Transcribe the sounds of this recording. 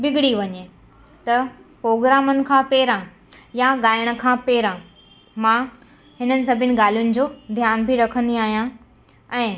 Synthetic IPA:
bɪɡɪɽiʋɐɲe | t̪ɐpɾoːɡɾaːmənɪ̆kʰãːpeːɾã | jaɠaːɪɽ̃ə̆kʰãːpeːɾã | mãː | ɦɪnənɪ̆s̬ɐbʱɪnɪ̆ɠaːl̤ijʊnɪ̆d͡ʑoːd̪ʱjaːnbʱiɾɐkʰə̃nd̪iaːɦijã | ɛ̃ː

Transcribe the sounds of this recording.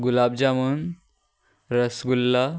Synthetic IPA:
ɡulabd͡ʑamun | ɾəsɡulːa

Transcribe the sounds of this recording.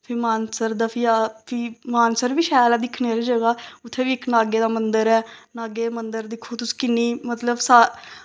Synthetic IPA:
pʰɪmaːnsəɾd̪aːpʰiaːpʰɪmaːnsəɾbiːʃɛːlaːd̪ɪkʰneːɾiːd͡ʒəɡaːʊt̪ʰːeːʋiːɪknaːɡeːd̪aːmənd̪əɾɛːnaːɡeːmənd̪əɾd̪ɪkʰoːt̪ʊskɪnːiːmət̪ləbsaː

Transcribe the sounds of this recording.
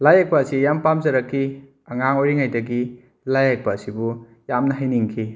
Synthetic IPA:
lajak̚paːsijampamzɐɾɐkʰːi | ɐŋaŋojɾiŋajdɐɡi | lajak̚paːsibu | jamnɐɦajniŋkʰi

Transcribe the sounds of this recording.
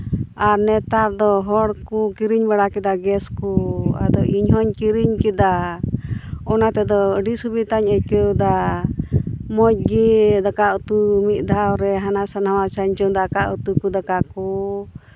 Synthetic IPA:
aɾnɛt̪aɾd̪ɔɦɔɽkukiɾiɲbaɽakɛd̪aɡɛskua̰d̪ɔʔiɲɦɔɲkiɾiɲkɛd̪a | ɔnat̪ɛd̪ɔɖisubit̪aɲəc̚kewd̪a | mɔc̚ɡid̪akaʔut̪umit̪̚ˀd̪ʱawɾɛɦanasanawat͡ʃaɲt͡ʃɔd̪akaʔut̪ukud̪akakɔ

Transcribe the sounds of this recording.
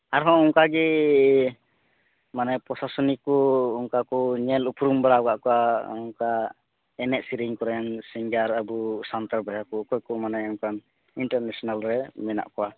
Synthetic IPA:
aɾɦɔ̃ɔŋkaɡɛ | manɛpɾɔsasɔnikːɔːŋkakɔɲɛlupɾumbaɽaɔɡaʔkɔwaɔŋka | ɛnɛʔsiɾiŋkɔɾɛnsiŋɡaɾabusant̪aɾbɛɦakɔkɔjkɔmanɛɔŋkan | iɳʈaɾnɛsɔnalɾɛmɛna̰ʔkɔwa

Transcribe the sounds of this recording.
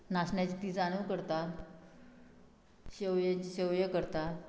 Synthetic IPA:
nasɳjat͡ɕit̪iːt͡saɽ̃ukəɾt̪at̪ | ɕewjat͡ɕiɕewjəkəɾt̪at̪

